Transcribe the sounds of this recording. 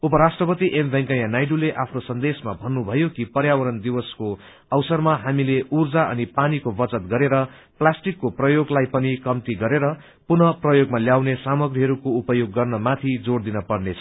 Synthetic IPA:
upʌɾasʈrʌpʌt̪iʔembʱʌ̃ŋkajanajɖuleʔapʰnosʌnd̪esmabʱʌnːubʱʌjokipʌrjawʌɾʌnd̪iwʌsko | ʌwsʌrmaɦamileurd͡zaʔʌ̰nipanikobʌt͡sʌt̪ɡʌɾeɾʌ | plasʈikːoprʌjoɡlajpʌnikʌmt̪iɡʌɾeɾʌ | punʌprʌjoɡmaljawnesamʌɡriɦʌɾukoupʌjoɡːʌrnʌmat̪ʰid͡zoɽd̪inʌpʌrnet͡sʰʌ̥

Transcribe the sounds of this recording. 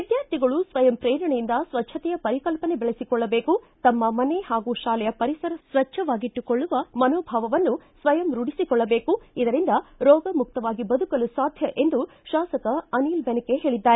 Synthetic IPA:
ʋid̪jaːɾt̪ʰiɡɐɭusʋɐjɐmpɾɛːɾɐɳejind̪ɐsʋɐt͡ʃʰːɐt̪ɛjɐpɐɾikɐlpɐne̞bɛɭesikɔɭːɐbe̞ːkut̪ɐmːɐmɐne̞haːɡuːʃaːlɛjɐpɐɾisɐɾɐsʋɐt͡ʃʰːɐʋaːɡiʈːukɔɭːuʋɐmɐnoːbʱaːʋɐʋɐnːusʋɐjɐmɾuɽisikɔɭːɐbeːkuid̪ɐɾind̪ɐɾɔːɡɐmuk̚t̪ɐʋaːɡibɐd̪ukɐlusaːd̪ʱjɐʔe̞nd̪u | ʃaːsɐkɐɐniːlbenike̞ɦe̞ːɭid̪ːaːɾe

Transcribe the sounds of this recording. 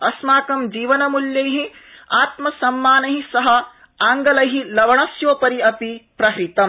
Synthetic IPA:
ɐsmaːkɐmd͡ʒiːʋɐnɐmuljɐjɦĩaːt̪mɐsɐmːaːnɐɦisɐɦɐ̆ | aːŋɡɐlɐɦilɐʋɐɳɐsjoːpɐɾiɐpipɾɐɦɾit̪ɐm

